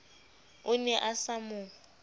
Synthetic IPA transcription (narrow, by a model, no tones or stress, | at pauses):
ʊnɛʔasamʊː